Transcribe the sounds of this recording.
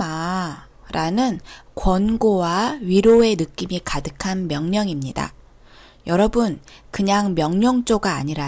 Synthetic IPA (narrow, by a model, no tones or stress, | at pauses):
a | ɾanɯnkwʌnɡowaɥiɾoe̞nɯk͈imikadɯkʰanmjʌŋɲʌŋimɲida̰ | jʌɾʌbunkɯɲaŋmjʌŋɲʌŋt͡ɕ͈oɡaːɲiɾa